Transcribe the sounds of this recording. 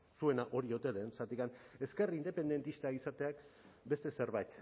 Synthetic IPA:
sue̞naʔo̞ɾiot̪e̞ðensat̪ikane̞ske̞rind̪e̞pe̞nd̪e̞nt̪ist̪aisat̪e̞akbe̞st̪e̞se̞ɾβajt̪

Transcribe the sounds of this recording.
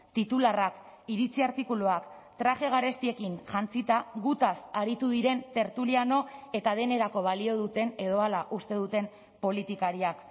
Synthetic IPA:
t̪it̪ularakiɾit͡siaɾt̪ikuloakt̪ɾaʝe̞ɣ̞aɾe̞st̪ie̞kinʝant͡sit̪aɣut̪asaɾit̪uðiɾe̞nt̪e̞ɾt̪uliano̞e̞t̪að̞e̞ne̞ɾako̞β̞alio̞ðut̪e̞ne̞ð̞o̞alaʔust̪e̞ðut̪e̞m | po̞lit̪ikaɾiak

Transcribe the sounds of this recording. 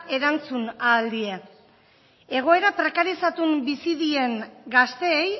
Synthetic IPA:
e̞ɾant͡sunaːld̪ie̞ | e̞ɣ̞o̞e̞ɾapɾe̞kaɾisat̪umbisiðie̞ŋɡast̪e̞ːj

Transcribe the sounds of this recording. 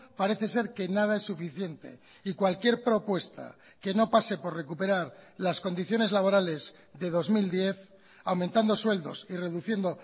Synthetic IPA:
paɾe̞θe̞se̞ɾke̞nað̞ae̞sːufiθje̞nt̪e̞̰ | ikwalkje̞ɾpɾo̞pwe̞st̪a̰ | ke̞no̞pase̞po̞ɾre̞kupe̞ɾaɾlasko̞nd̪iθjo̞ne̞zlaβo̞ɾale̞z | ðe̞ð̞o̞zmild̪je̞θ | awmẽnt̪and̪o̞swe̞ld̪o̞̰sire̞ðuθje̞nd̪o̞

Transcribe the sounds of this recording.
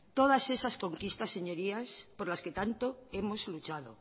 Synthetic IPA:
t̪o̞ð̞ase̞sasko̞ŋkist̪asːe̞ɲo̞ɾiaspoɾlasket̪ant̪oemo̞zlut͡ʃað̞o̰

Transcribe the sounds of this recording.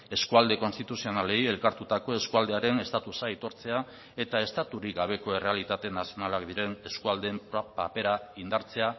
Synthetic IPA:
e̞skuald̪e̞ko̞nst̪it̪usio̞nale̞je̞lkaɾt̪ut̪ako̞e̞skuald̪e̞aɾe̞ne̞st̪at̪usajt̪o̞ɾt͡se̞a | e̞t̪ae̞st̪at̪uɾiɡaβ̞e̞ko̞e̞re̞alit̪at̪e̞nasio̞nalakd̪iɾe̞ne̞skuald̪e̞mppape̞ɾaind̪aɾt͡se̞a

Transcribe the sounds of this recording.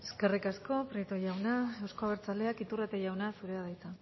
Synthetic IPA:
e̞skerikasko̞pɾit̪oʝawnaewsko̞aβeɾt͡sale̞akit̪urat̪eʝawnasuɾe̞aðajt͡sa

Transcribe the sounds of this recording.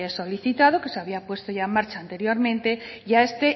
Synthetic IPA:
esoliθit̪að̞okeseaβ̞iapwe̞st̪oʝaemaɾt͡ʃaːnt̪eɾjoɾmẽnt̪eʝaest̪e

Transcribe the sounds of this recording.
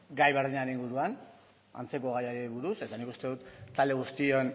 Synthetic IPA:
ɡajβe̞ɾðiɲaɾeniŋɡuɾuan | a̰nt͡se̞ko̞ɣ̞ajaɾeβuɾuse̞t̪anikust̪e̞ðut̪ːald̪e̞ɣ̞ust̪io̞n

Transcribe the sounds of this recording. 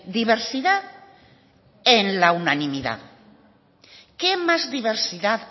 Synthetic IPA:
d̪iβeɾsiða | enlaunanĩmiða̰ | kemazðiβ̞eɾsiðat̪

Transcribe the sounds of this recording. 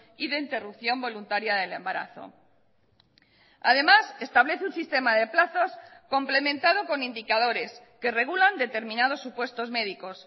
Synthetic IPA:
iðe̞int̪e̞rup̚θjo̞mbo̞lunt̪aɾjaðe̞le̞mbaɾa̰θo̞̰ | a̰ðe̞mase̞st̪aβle̞θeunsist̪e̞mað̞e̞plaθo̞sko̞mple̞mẽnt̪aðo̞ko̞nind̪ikað̞o̞ɾe̞s | ke̞re̞ɣ̞uland̪e̞t̪e̞ɾmĩnað̞o̞sːupwe̞st̪o̞zme̞ðiko̞s

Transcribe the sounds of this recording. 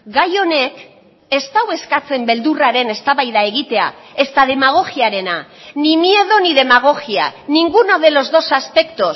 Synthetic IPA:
ɡajo̞ne̞k | e̞st̪awe̞skat͡se̞mbe̞ld̪uraɾe̞ne̞st̪aβajðae̞ɣ̞it̪e̞a̰ | e̞st̪aðe̞maɣ̞o̞ɣiaɾe̞na | nimie̞ðo̞niðe̞maɣ̞o̞ɣia̰niŋɡunoðe̞lo̞zðo̞saspe̞kt̪o̞s

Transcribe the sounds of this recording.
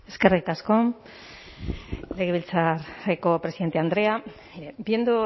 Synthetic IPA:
e̞ske̞rrik̪asko̞ | leɣeβilt͡saɾeko̞pɾesiðet̪e̞and̪ɾe̞a | ebiend̪u

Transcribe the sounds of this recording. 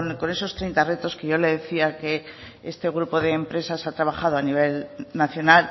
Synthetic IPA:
nko̞ne̞so̞st̪ɾejnt̪are̞t̪o̞ske̞ʝo̞le̞ð̞e̞θiake̞ | est̪e̞ɣɾupo̞ðe̞ːmpɾe̞sasat̪ɾaβ̞aχað̞oaniβ̞e̞lnaθjo̞nal

